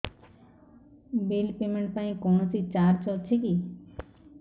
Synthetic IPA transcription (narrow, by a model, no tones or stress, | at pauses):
bilpemeɳʈ̚paĩkɔnɔsit͡ʃaɾt͡ʃɔt͡ʃʰeki